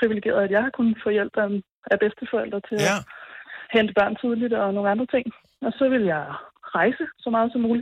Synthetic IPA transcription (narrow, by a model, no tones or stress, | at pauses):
pʰʁiʋileɡ̥e̝̰ːɐð̞ˠæd̥jɑ̈ɪhɑ̈kʰunəfɔ̽jel̰b̥n | æb̥esd̥əfɒ̽el̰d̥ʁɐt͡sʰe̝læ | hend̥əb̥ɶɐ̰nt͡sʰið̞ˠlid̥ɒ̽no̝ːŋ̩ɑnd̥ʁɐt͡sʰe̝ŋ̰ | ɒ̽sɒ̽ʋe̝ljɑ̈ɪʁɑ̈ɪsəsɒ̽mɑ̈ːð̞̩ˠsɒ̽mːuːli̥